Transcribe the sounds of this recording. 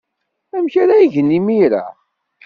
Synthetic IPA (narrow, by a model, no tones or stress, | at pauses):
æmçaɾaiʝənːimiɾa̰